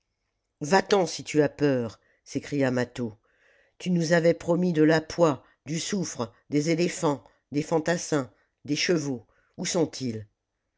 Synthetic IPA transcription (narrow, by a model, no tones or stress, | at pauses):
vat̪ɑ̃sit̪yapœːʁ | sekχijamat̪o | t̪ynuzavɛpχɔmid̪əlapwa | d̪ysufχəd̪ezelefɑ̃ | d̪efɑ̃t̪asɛ̃ | d̪eʃəvo | usɔ̃t̪ʰil